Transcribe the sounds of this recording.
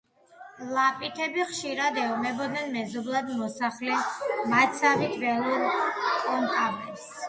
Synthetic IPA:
lˠapʼit̪ʰɛbiχʃiɾad̪ɛɔmɛbɔd̪nɛnmɛzɔblˠad̪mɔsaχlɛmat̪sʰavit̪ʰvɛlˠuɾkʼɔnt̪ʼabɛs

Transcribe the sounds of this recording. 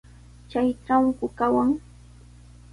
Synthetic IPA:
t͡ʃajʈ͡ʂaŋkʊkawaŋ

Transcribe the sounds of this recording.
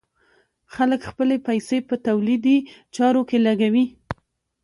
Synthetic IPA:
xaləkxpəlepajsepət̪awlid̪it͡ʃɑɾokelaɡawi

